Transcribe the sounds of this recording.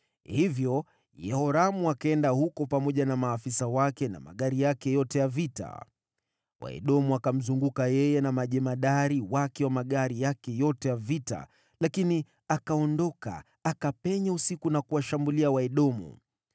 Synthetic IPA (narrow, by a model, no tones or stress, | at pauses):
hivjɔ | jɛhɔɾamuakaɛndahukɔpamɔʄanamaːfisawakɛna̰ma̰ɠaɾijakɛjɔtɛjavita̰ | wa̰ɛ̰ɗɔmuakam̩zuŋɡukajɛjɛnamaʄɛmaɗaɾiwakɛwamaɠaɾijakɛjɔtɛjavita̰ | lakini | akaɔndɔka̰ | akapɛɲausikunakuwaʃambuliawaɛɗɔmṵ